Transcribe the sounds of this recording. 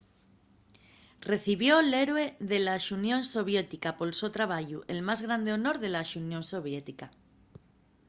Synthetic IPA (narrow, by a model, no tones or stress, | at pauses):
re̞θiβjo̞le̞ɾwe̞ðe̞laʃunjõ̞nso̞β̞je̞t̪ikapo̞lsot̪ɾaβ̞aʝuʔe̞lmazɣɾand̪eono̞ɾðe̞laʃunjo̞nso̞β̞jet̪ika